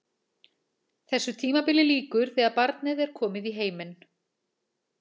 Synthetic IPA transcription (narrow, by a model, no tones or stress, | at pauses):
θɛsːʏt̪ʰiːmapɪlɪliːkʏɾ̥θɛːɣaðpaɾt̪nɪðɛɾ̥kʰɔːmɪðiɦeːjmɪn